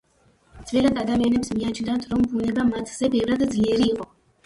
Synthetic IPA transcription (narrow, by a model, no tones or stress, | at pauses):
t̪zvɛlad̪ad̪amianɛpsmiat͡ʃʰnd̪at̪ʰɾɔmbunɛbamat̪ʰz̥ɛbɛvɾad̪d̪zliɛɾiːqʼɔ